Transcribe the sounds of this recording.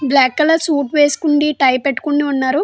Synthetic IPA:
blaːkːɐlɐsuːʈʋeːsu̥kuɳɖiʈɐjpeʈːu̥kunːiunːaːɾu

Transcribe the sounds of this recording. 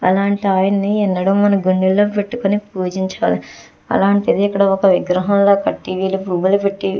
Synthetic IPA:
ɐ̰laːɳʈiaːjɐnɐniɛnːɐɽɐmmɐnɐɡuɳɖilːoːpeʈːukonipuːd͡ʒiɲt͡ʃɐːli | ɐ̰laːɳʈid̪iikːɐɽɐɔkɐʋiɡɾɐɦɐmlo̞ːkɐʈːiʋiːlupɾuːbɐlupeʈːi

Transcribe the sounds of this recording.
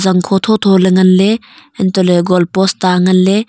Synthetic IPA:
zɐŋkʰɔt̪ʰɔt̪ʰɔleŋɐnle | ɛnt̪ɔleɡɔlpɔst̪aŋɐnle

